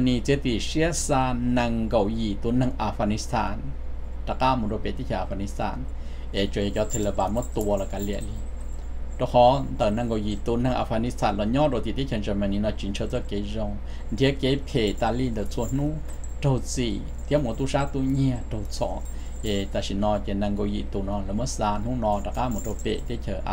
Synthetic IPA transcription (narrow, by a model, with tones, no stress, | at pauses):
a˧ni˧t͡si˧˦t̪i˧˨ʂi˧˦ə˦saː˧nã˧ŋɡo˧˨wji˨˩t̪u˧˦na˧˨ŋʔa˧fɡa˧ni˧˦st̪ʰaː˧˨n | ta˧ka˧˨mu˧˨ɾo˧pe˨t̪i˦kʰja˧˨a˨˧fɡa˧ni˧˦st̪ʰa̰˧˨n | ʔe˨t͡ʃo˧˨je˧˨kjɔ˧˦t̪ʰe˧le˧˨ba˧˨mɔ˦t̪u˧ə˧lɔ˧˨ka˧li˧˨ʔli˧˨ | do˧˨hɔ˧˦nt̪ə˨nã˧ŋɡo˧˨wji˨t̪u˧nã˧ŋʔa̰˧˨fɡa˧ni˦st̪ʰa˧˨nlɔ˧˨ɲɔ̃˦˥˨do˧˨t̪i˧˨t̪i˦kʰja˧˨nd͡ʒa˧˨ma˧˨ni˧˨nɔ˧˨t͡ʃi˧˨nt͡ʃʰə˧˨t͡sɔ˦ke˨˧˦zo˧ŋ | nt̪ʰi˧˦ke˧˦pʰe˨t̪a˧˨li˧˨nd̪ə˨t͡su˧ə˧˨n̥nũ˦ | do˧wt͡si˧˨ | t̪ʰi˧˦m˧˨t̪u˧˦ʂa˦t̪u˧ɲĩ˧ə˧˨do˧wt͡sɔ̰˧˨ | e˨t̪a˧˨ʃi˧˨nɔ̃˧ke˧˨nã˧˨ŋɡo˧ji˧ʔt̪u˧˨nɔ˧lə˧˨mə˦saː˧n̥ũ˦nɔ̃˧da˨˧˨ka˧˨mu˨do˧˨pḛ˧˨ʔt̪i˦kʲʰə˧˨ʔ